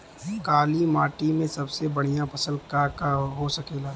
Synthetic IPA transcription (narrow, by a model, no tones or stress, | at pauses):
kaːlimaːʈimẽsɐbsebɐɽ̤ijapɐsəlkakaɦosɐkeːlaː